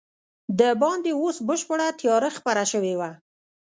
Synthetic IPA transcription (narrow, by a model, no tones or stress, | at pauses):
d̪əbɑnd̪eosbəʃpəɽat̪jɑɾəxpaɾaʃəwewa